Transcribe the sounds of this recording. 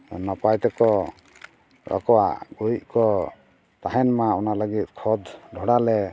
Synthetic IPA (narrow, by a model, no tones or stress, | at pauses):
nɔpajt̪ɛkɔ | ɾɔ̰kɔwa̰ʔɡojc̪̚ˀkɔ | t̪aɦɛnmaɔnaləɡit̪̚kʰɔd̪ɖʱɔɽalɛ